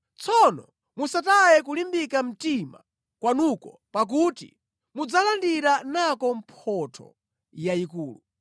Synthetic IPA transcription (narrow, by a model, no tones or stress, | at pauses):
t͡sʰɔnɔ | musatajɛk̬ulimbikam̩tima̰ | kwanukɔ | pak̬utḭ | mud͡zalandiɾanakɔm̩pʰɔtʰɔ̰ | jaikuːlu